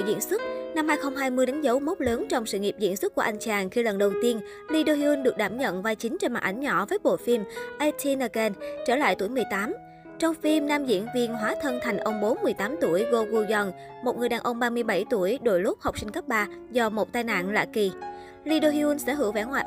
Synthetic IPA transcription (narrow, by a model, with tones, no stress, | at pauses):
zḭ˧˥ənswə˦˥t̚na˧mhaː˧jxə˧wŋ͡mɦaː˧jmɨ˧əjɗa˨˦ŋzə˨˦wmo˦˥k͡p̚ləː˨˦nt͡ɕɔ˧wŋ͡msɨ̰˧˨ŋi˨˩əp̚zḭ˧˥nswɨ˦˥t̚ku˧˩ʔa˧jŋ̟t͡ɕaː˨˩nxi˧lə˨˩nɗə˨˩wt̪i˧ən | li˧ɗo˧hi˧wɨ˧nɗɨ˨˩ək̚ɗaː˧˩mɲə̰˧˨nvaː˧jt͡ɕï˨˦ŋ̟t͡ɕe˧nmaː˨˩ʔ̚ʔa˨˦jŋ̟ɲɔ̰˧˥vəː˨˦jɓo̰˧˨fi˧mʔɛ˧t̪ʰi˧nə˧kɛ˧nt͡ɕəː˧˩la̰ː˧˨jt̪u˧˩əjmɨ˨˩əjt̪aː˨˦m | t͡ɕɔ˧wŋ͡mfi˧mnaː˧mzḭ˧˥ənvi˧ənɦwaː˨˦t̪ʰə˧nt̪ʰa˨˩jŋ̟ʔə˧wŋ͡mɓo˨˦nmɨ˨˩əjt̪aː˨˦mt̪u˧˩əjɣo˧ɣu˧zə˧n | mo˨˩t̚ŋɨ˨˩əɗaː˨˩nʔə˧wŋ͡mɓaː˧mɨ˧əjɓa˧˩jt̪u˧˩əjɗo˧˩jlʊ˦˥p̚ha˨˩wk͡p̚sï˧ŋ̟kə˦˥p̚ɓaː˧zɔ˧mo˨˩t̚t̪aː˧jna̰ː˧˨nla̰ː˧˨ki˨˩ | li˧ɗo˧hi˧ʔu˧nsɛ̰˧˥ɦɨ˧˩əwvɛ˧˩ŋwa̰ː˧˨